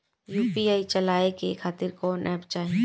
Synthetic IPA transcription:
juːpiaːit͡ʃɐlaːekekʰaːt̪ɪɾkɔːnʔɛːpt͡ʃaːɦẽ

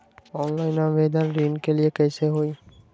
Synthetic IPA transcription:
ɔːnlaːɪnãːʋeːd̪ənɾĩːnkeliekɛːseɦoiː

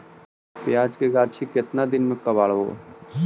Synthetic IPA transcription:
pɪjaːd͡ʒkeɡaːɾt͡ʃʰikɪt̪nad̪ɪnmẽkəbaːɭʋo̰ː

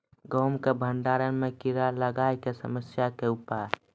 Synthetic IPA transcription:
ɡɔːmkebʱəɳɖaːɾənmẽkiɾaləɡaːkesə̰məsjakeʊpaːɾ

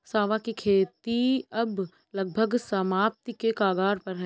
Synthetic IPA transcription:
saːʋakikʰeːt̪iɐb | lɐɡ̚bʱəɡsɐmaːp̚t̪ikekaːɡaːɾpɐɾɦɛː

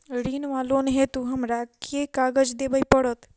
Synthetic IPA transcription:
ɾinʋalonɦet̪uɦəmɾakekaɡəd͡ʒd̪ebəjpəɽət̪

